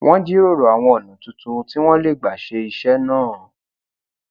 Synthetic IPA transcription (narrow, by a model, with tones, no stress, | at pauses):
wʔɔ̃˦d͡ʒi˦ɾo˦˨ɾo˨a˨w̃ɔ̃˧o˨nũ˨˦tu˧tũ˧ti˦w̃ɔ̃˦le˦˨ɡ͡ba˨ʃe˧i˧ʃɛ˦nãː˦˨